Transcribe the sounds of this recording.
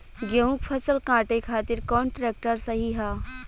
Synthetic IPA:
ɡeũkpʰɐsəlkãːʈekʰaːt̪ɪɾkɔːɳʈɾeːk̚ʈəɾsɐɦiɦaː

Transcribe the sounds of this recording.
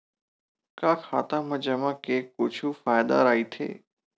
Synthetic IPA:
kaːkʰaːt̪ãmɐ̃d͡ʑɐmãkeːkːʊd͡ʒʰʱufaːjd̪a̰ɾaːit̪ʰḛː

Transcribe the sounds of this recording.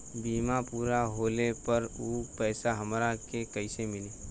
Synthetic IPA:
biːmapuːɾaɦoːlepəɾuːpɛːsaɦɐmɾakekəɪsemɪle

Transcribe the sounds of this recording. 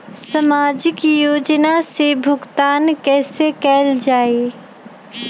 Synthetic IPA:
sɐmaːd͡ʒɪkjoːd͡ʒnasebʱʊɡt̪aːnkɛːsekɛːld͡ʒaːeː

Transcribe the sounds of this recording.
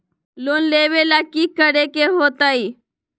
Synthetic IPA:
loːnleːʋelakiːkəɽekeɦoːt̪aːiː

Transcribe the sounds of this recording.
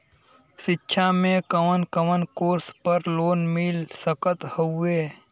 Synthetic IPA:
ʃɪtːʃʰamẽkəwʋənkəʋənkoːɾspəɾloːnmɪlsəkət̪hoʊeː

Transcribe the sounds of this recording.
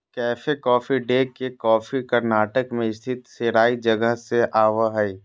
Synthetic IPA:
kɛːfekɔːfiɖeːkekɔːfikəɾnaːʈəkmẽɪst̪ʰɪt̪seɾaːid͡ʒəɡəɦseʔaːʋaɦɛi

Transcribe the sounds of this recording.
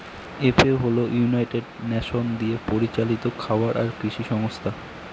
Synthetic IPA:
epeɦolojunajʈeɖnɛʃond̪iepoɾit͡ɕalit̪okʰaoaɾʔaɾkɾiʃiʃɔŋost̪ʰa

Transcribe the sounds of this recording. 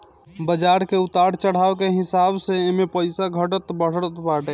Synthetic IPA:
bəd͡ʒaɾkeut̪aɽ̤t͡ʃəɽ̤awkeɦisabseemepəjsaɡʱəʈət̪bəɽ̤əɾət̪baʈe

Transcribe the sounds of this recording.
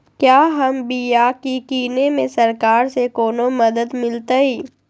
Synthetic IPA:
kjaːɦɐmbiːjaːkikiːnemẽsɐɾkaːɾsekoːnomɐd̪əd̪mɪlt̪aiː

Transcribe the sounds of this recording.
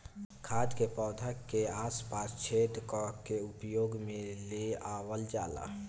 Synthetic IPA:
kʰaːd̪kepɔːd̪ʱəkːeaːspaːst͡ʃʰeːd̪kɔkːeʊpjoːɡmẽleaːwəld͡ʒaːla̰

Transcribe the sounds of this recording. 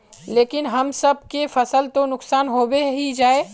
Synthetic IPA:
leːkɪnɦɐmsɐb̚kefɐsəlt̪onʊksaːnɦoːweɦid͡ʒaːeː

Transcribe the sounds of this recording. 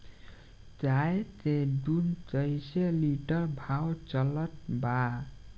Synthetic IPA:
t͡saet͡sed̪unt͡sʌjseliʈʌrbʱawt͡sʌlʌʈ̚ba

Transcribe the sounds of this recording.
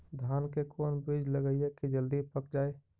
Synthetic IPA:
d̪ʱaːnkekoːnbid͡ʒləɡəɪjekid͡ʒəld̪ipəkd͡ʒaːe

